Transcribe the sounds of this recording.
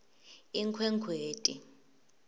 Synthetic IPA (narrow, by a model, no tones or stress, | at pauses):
iŋkʰwɛŋkʰweːtʼḭ